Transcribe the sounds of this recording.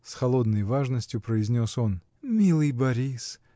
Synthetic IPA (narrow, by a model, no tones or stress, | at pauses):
sxɐlˠo̞d̪nəjvaʐnəsʲtʲjʊpɾəɪzʲnʲoso̞n | mʲilˠɨjbɐɾʲis